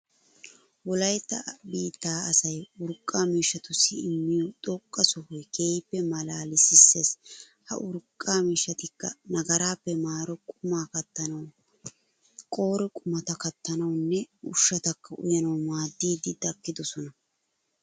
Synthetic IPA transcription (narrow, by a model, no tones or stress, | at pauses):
wɔlɐjt̪ːɐbiːt̪ːaːɐsɐjʊɾkʼːaːmiːʃːɐt̪ʊsːɪɪmːɪjɔt̪ʼɔkʼːɐsɔhɔjkeːjpːɛmɐlaːlɪsɪsːe̞ːs | hɐ̰ʔʊɾkʼːaːmiːʃːɐt̪ɪkːɐ̰nɐɡɐɾaːpːɛmaːɾɔkʼʊmaːkɐt̪ːɐnɐw | kʼo̞ːɾɔkʼʊmɐt̪ɐkɐt̪ːɐnɐwnːɛʊʃːɐt̪ɐkːɐʔʊ̰jɐnɐwmaːd̪ːiːd̪ɪd̪ɐkːɪd̪ɔsɔnɐ